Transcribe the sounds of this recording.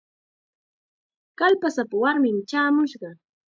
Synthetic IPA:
kalpasapawaɾmɪmt͡ʃaːmʊʃɢɑ

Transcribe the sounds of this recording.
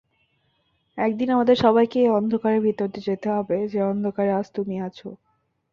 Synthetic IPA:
ɛk̚d̪inamad̪eɾʃɔβajkeeɔnd̪ʱokaɾeɾbʱit̪oɾt̪ed͡ʑet̪eɦɔbed͡ʑeɔnd̪ʱokaɾead͡ʑt̪umiat͡ɕʰo

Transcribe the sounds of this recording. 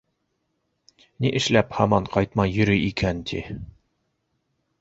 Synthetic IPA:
niʔɘ̆ʃlæphɑmɑɴqʰɑjt̪mɑjjːɵ̆ɾɵjikʰænt̪ʰi

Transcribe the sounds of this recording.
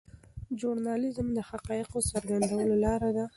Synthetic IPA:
d͡ʒuɾnɑlɪzmd̪əhaqɑjɪqosaɾɡand̪awəlolɑɾad̪a

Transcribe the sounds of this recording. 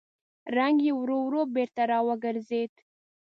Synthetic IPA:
ɾaŋɡjewɾowɾobeɾt̪aɾɑwəɡəɾzed̪

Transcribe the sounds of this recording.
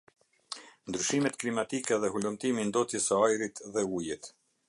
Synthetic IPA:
nd̪ɾyʃimɛt̪klimat̪ikɛðɛhɦulumt̪imind̪ɔt̪jɛsəajɾit̪ðɛujɛt̪

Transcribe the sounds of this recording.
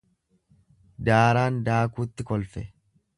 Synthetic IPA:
d̪aːɾaːnd̪aːkuːt̪ːɪkɔlfɛ

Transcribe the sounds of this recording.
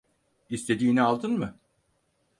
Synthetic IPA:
ist̪ʰe̞d̪iːnialˠd̪ɯnmɯ

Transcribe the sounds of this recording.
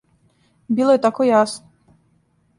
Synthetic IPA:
bilˠɔjɛt̪akɔjasnɔ

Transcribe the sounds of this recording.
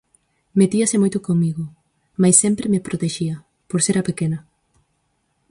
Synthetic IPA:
met̪iɐsɪmojt̪okoŋmiɣo | majsːɛmpɾemepɾot̪eʃiɐ | poɾseɾapekenɐ

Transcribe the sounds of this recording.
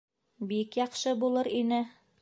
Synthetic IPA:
bikjɑqʃɤbulˠɤɾinɘ

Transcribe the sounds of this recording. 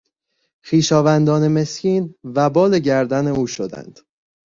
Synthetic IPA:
xiːʃɒːvænd̪ɒːne̞me̞sciːnvæbɒːle̞ɟæɾd̪æneuːʃo̞d̪æ̰nd̪̥

